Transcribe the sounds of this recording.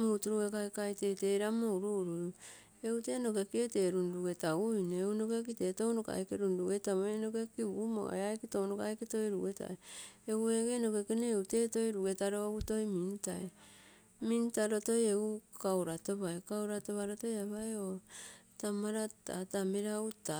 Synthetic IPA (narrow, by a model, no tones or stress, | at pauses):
muutuɾuekaekajteteɾamouɾuɾu | eute̞no̞ke̞kieteːɾunduɡe̞taujneuno̞kek̬iteto̞wnoka̰jkeɾunduɡe̞taoeno̞kekiβumo̰eajkitownokajketo̞jɾuɡe̞ta̰eeweɡeno̞kekeneute̞to̞jɾuɡe̞taɾoouto̞jmintae | mintaɾo̞to̞jeukawɾato̞βaekawɾato̞βaɾoto̞jaβaeotamaɾatatameɾauta